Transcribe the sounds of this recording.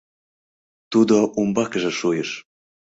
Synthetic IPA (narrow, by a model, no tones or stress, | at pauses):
t̪ud̪oʔumbɑkʒĕʃujɤʃ